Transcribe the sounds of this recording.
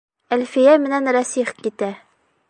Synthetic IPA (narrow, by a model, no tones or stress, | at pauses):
ælfijæmɘ̆nænɾæsiχkit̪æ